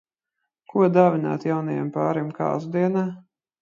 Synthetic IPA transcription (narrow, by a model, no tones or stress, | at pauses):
kuɔd̪aːvʲina̰ːt̪jawnajɛ̰mpaːɾimka̰ːzd̪iɛnaː